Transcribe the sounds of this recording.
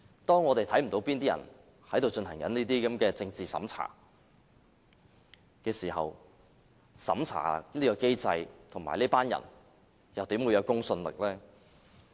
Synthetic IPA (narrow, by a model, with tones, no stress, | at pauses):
t̪ɔː˥ŋɔː˨˧t̪e˨jt̪ʰɐ˨˥jm̩˨˩t̪o˨˥wpiː˥nt̪iː˥jɐ̰˨˩n | hɐ˨˥jt̪o˨wt͡sɵ˧nhɐ˨˩ŋkɐ˨˥niː˥t̪iː˥kɐ˨˥mkɛː˧t͡sɪ˧ŋt͡siː˨sɐ̰˨˥mt͡sʰa̰ː˨˩ | kɛː˧siː˨˩hɐ̰˨w | sɐ̰˨˥mt͡sʰa̰ː˨˩niː˥kɔː˧ke˥jt͡sɐ˧jt̪ʰʊ˨˩ŋma̰ː˨˩niː˥paː˥njɐ̰˨˩n | jɐ˨˩wt̪iː˨˥mwuː˨˧jɐ˨˧wkʊ˥ŋsɵ˧nlɪ̰˨k̚lɛː˥